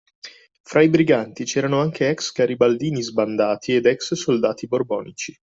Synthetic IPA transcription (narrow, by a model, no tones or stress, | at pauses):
fɾaibɾiɡant̪it͡ʃɛːɾanoaŋkʰeɛkskaɾibald̪iːnizband̪aːt̪ʰied̪ɛkssold̪aːt̪iborbɔːnit͡ʃi